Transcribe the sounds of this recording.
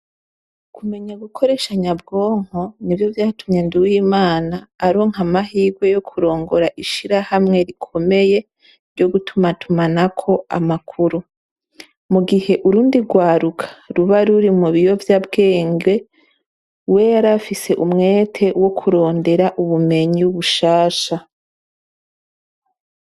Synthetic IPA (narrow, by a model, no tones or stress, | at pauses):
kume̞ɲaɡukʰo̞ɾe̞ʃaɲabɡo̞ːŋ̥o̞nivjo̞vjaːtʰumɲenduwiːmaːnaːɾoŋ̥hamaɦiːɡwe̞jo̞kʰuɾo̞ːŋɡo̞ɾaʔiʃiɾahamŋe̞ɾikʰo̞me̞je̞ | ɾɟo̞ɡutʰumatʰumanakʰo̞a̰makʰuɾu | muɡihe̞ʔuɾuːndiɡwaːɾukʰḁɾuβaɾuɾimuβijo̞vjabɡe̞ːŋɡe̞ | we̞jaɾafise̞ʔumŋe̞ːtʰe̞wo̞kʰuɾo̞ːnde̞ɾaʔuβume̞ɲiuβuʃaːʃa